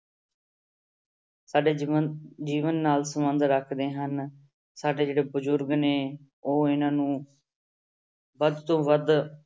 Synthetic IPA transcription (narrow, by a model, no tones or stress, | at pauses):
saːɖeːd͡ʒiːʋənːaːlsəmənd̪ɾəkʰd̪eːɦən | saːɖeːd͡ʒeːɽeːbəzʊɾɡneː | oːɪnãːnũː | ʋəd̪t̪õːʋəd̪